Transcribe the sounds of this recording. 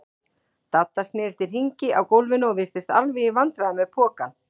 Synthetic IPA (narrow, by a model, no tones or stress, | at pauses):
t̪at̪ːasnɪːɾst̪ɪr̥r̥iɲcɪʔawkowlvɪnɔɣvɪr̥t̪ɪst̪alviivant̪ɾaamɛðpʰɔːkan